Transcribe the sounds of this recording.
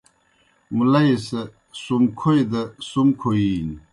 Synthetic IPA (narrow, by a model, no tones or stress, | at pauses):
mulɐjse | sumkʰojd̪ɐsumkʰoiːn